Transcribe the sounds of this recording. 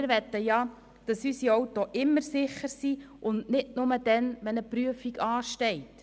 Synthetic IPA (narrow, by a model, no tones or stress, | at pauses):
ɾʋɛt̪ːəjɑ | d̥ɑsysiɔwtːoʔɪmːəɾsɪχəɾsi | ʔʊnnɪdnʊməd̥ɛnʋɛnəpɾyəfiɡɑːʃtɛɪt